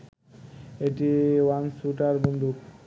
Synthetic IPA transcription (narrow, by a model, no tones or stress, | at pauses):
eʈiwansuʈaɾbond̪ʱuk